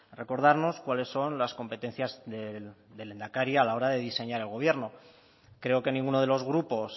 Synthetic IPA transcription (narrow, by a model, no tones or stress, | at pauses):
re̞ko̞ɾð̞aɾno̞skwale̞sːo̞nlasko̞mpe̞t̪e̞n̟θjazðeðe̞le̞nd̪akaɾjalao̞ɾaðe̞ðise̞ɲaɾe̞lɣo̞β̞je̞ɾno̞ | kɾe̞o̞ke̞nĩŋɡuno̞ð̞e̞lo̞zɣ̞ɾupo̞s